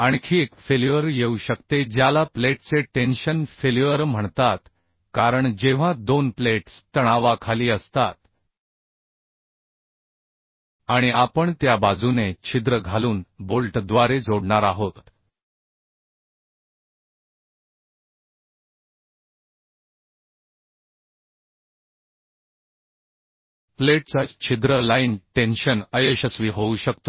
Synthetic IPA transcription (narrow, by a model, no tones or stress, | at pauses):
aɳkʰiːekfeljuʋəɾjeuɕəkt̪ed͡ʑjalapleʈt͡seʈenɕənfeluʋəɾm̤əɳt̪at̪ | kaɾəɳd͡ʑeʋ̤ãd̪onpleʈst̪əɽ̃aʋakʰaliːəst̪at̪ | aɽ̃iapəɳt̪jabad͡zunet͡ɕʰid̪ɾəɡʱaluːnbolʈd̪ʋaɾed͡zoɽɳaɾaɦot̪ | pleʈt͡sat͡ɕʰid̪ɾəlainʈenɕənəjeɕəsʋiːɦouɕəkt̪o